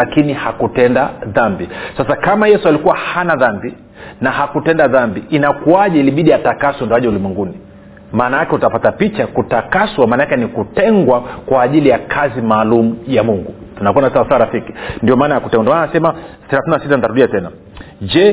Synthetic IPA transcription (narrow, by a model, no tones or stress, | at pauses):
akinihakutɛndaðambisasakamajɛsualikuwahanaðambi | nahakutɛndaðambiinakuaʄɛiliɓiɗiatakaswandɔwaʄɛulimwɛŋɡuni | maːnajakɛutapatapit͡ʃakutakaswamaːnakɛnikutɛŋɡwakwaːʄilijakʰazimaːlumujamuŋɡutunakuanasasaːɾafiki̥ndiɔmaːnajakutɛŋɡanmananasɛmaθɛɾaθininasitanitaɾuɗiatɛna | d͡ʒɛ